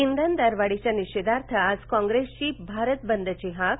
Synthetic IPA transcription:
ind̪ənd̪aɾʋaɽit͡ɕaniɕed̪aɾt̪ʰəad͡zkɔ̃ŋɡɾest͡ɕiːbʱaɾət̪̚bənd̪ət͡ɕiɦak

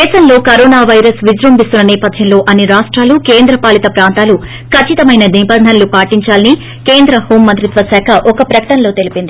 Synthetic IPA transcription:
d̪ɛːʃɐnlo̞ːkɐɾoːnaːʋɐjɾɐsʋid͡ʒɾɐmbist̪unːɐnɛːpɐd̪ʱjɐmlo̞ːʔɐnːiɾaːʂʈɾaːluke̞ːnd̪ɾɐpaːlit̪ɐpɾaːnt̪aːlu | kʰɐt͡ʃːit̪ɐmɐjnɐniːpɐd̪nɐnɐlupaːʈiɲt͡ʃaːlɐni | ke̞ːnd̪ɾɐho̞ːmːɐnt̪ɾit̪ʋɐsɛːkʰɐʔɔkɐpɾɐkɐ̥ʈɐnlo̞ːt̪e̞lipind̪i

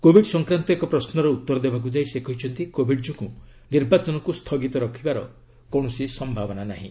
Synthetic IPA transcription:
kobʱiɖsɔŋkɾant̪ɔekɔpɾɔsnɔɾeut̪ːɔɾɔd̪ebak̬ud͡ʒajsekɔɦit͡ʃʰɔnt̪ikobʱiɖd͡ʒɔku | niɾbat͡ʃɔnɔkust̪ʰɔɡit̪ɔɾɔkʰibaɾɔ | kɔɳ̃ɔsisɔmbʱabɔnanaɦḭ̃

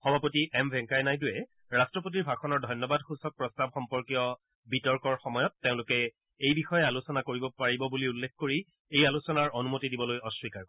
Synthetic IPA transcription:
xɔbʱapotiʔɛmbʱɛ̃ŋkajnajdʊjɛ | ɹastɹɔp̬ot̬iɹbʱakʰɔnɔɹdʱɔjnːɔbadxusɔk̚pɹɔstabxɔmpɔɹkijɔ | bitɔɹkɔɹxɔmɔjɔtːeʊ̃lʊkɛ | ejbixɔjɛalusɔnakoɹibɔpaɹibɔbuliulːekkoɹi | ejalusɔnaɹonumotidibɔlojɔswikaɹk

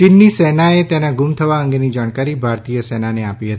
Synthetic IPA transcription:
t͡ʃɪnːisɛnaet̪enaɡumt̪ʰəʋaəŋɡenid͡ʒaɽ̃kaɾibʱaɾt̪ijəsɛnaneapiɦət̪

